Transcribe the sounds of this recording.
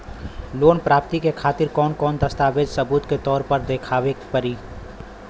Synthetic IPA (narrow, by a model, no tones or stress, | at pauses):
loːnpɾaːp̚t̪ikekʰaːt̪ɪɾkɔːnkɔːnd̪ɐst̪aːʋed͡ʒ̪sɐbuːt̪ket̪ɔːɾpɐɾd̪eːkʰaːʋekpəɾiː